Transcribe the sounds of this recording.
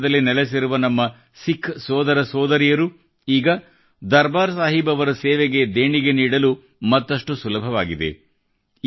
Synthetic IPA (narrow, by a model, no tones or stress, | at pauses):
d̪ɐlːinɛles̬iɾuʋɐnɐmːɐ | sikʰsɔːd̪ɐɾɐsɔːd̪ɐɾijɐɾu | iːɡɐ | d̪ɐɾbaːɾsaːɦibɐʋɐɾɐseːʋeɡe̞d̪eːɳiɡe̞niːɽɐlu | mɐt̪ːɐʂʈusulɐbʱɐʋaːɡid̪e̞̰